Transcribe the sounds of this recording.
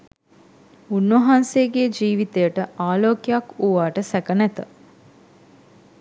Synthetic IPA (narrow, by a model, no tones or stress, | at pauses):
unʋɐɦanseəɡeːd͡ʒiːʋit̪ejəʈəʔaːloːkejakuʋaːʈəsækənæt̪ə